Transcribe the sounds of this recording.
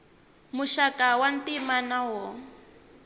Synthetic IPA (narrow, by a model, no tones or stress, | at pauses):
muʃakʼawantimanawɔ